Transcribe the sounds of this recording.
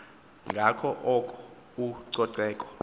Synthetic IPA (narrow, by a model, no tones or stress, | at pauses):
ŋɡʱakʰɔʔɔkʼɔ̥ | uǀɔǀɛːkʼɔ̥